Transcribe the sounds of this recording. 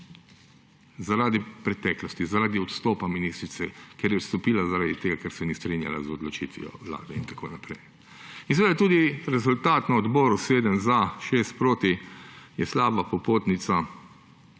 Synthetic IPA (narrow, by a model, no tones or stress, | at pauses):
zaɾaːd̪ipɾɛt̪ɛːklɔst̪izaɾaːd̪iɔt̪st̪ɔːpaminist̪ɾitsɛkɛɾjɛɔt̪st̪ɔpiːlazaɾaːd̪it̪eːɡakɛɾsɛnist̪ɾinja̰la̰zɔd̪lɔt͡ʃḭt̪ʋijɔ̰ʋla̰ːd̪ɛ̰ḭnt̪ḁkʰoːnapɾɛj | inseɛʋeːd̪at̪uːd̪iɾɛzult̪aːt̪naɔd̪bɔːɾuseːd̪ənzaʃest̪pɾoːt̪ijɛslaːbapɔpoːt̪nit̪sa